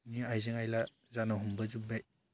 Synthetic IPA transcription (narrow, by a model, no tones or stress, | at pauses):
niajzɯŋajla | zanɔɦumbɐzubaj